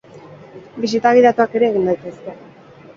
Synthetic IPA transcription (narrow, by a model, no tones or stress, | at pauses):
bis̬it̪aɣ̞iðat̪uake̞ɾe̞ːɣind̪ajt̪e̞ske̞